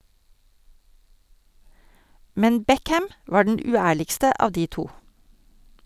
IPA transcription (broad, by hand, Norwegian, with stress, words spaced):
ˈmɛn ˈbɛkæm ˈʋɑː ˈɖɛn ˈʉːˌæːɭɪkstə ˈɑː ˈdiː ˈtuː